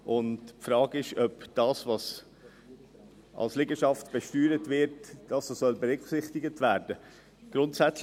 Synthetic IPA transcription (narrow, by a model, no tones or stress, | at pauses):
ʔʊndpfɾɑːɡɪʃœpd̥ɑːsʋɑs | ʔɑ̰lslɪɡəʃɑftb̥ɛʃtyːɾətvɪɾtd̥ɑːsosœlbɛɾʏksɪχtɪɡətvæːɾd̥ə | ɡ̥ɾʊntsæt͡s